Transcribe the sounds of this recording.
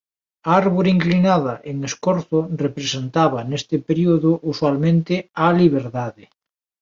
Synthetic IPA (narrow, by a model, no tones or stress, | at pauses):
aaɾβoɾeiŋklinaðɐʔeŋeskoɾθʊrepɾesent̪aβɐnest̪ɪpeɾioðʊʔuswalmẽnt̪ealiβ̞eɾðaðɪ